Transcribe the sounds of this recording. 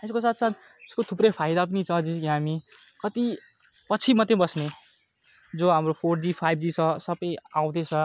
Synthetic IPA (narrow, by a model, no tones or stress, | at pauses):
eskosat̪ʰt͡sat̪ | eskot̪ʰuprʌjpʰajd̪ap̬ʌnit͡sʰʌd͡ziskiɦami | kʌt̪i | pʌt͡sʰimʌt̪ẽbʌsne | d͡zoɦamropʰord͡zipʰajbʱd͡zit͡sʰʌsʌbʌjaw̃d̪et͡sʰʌ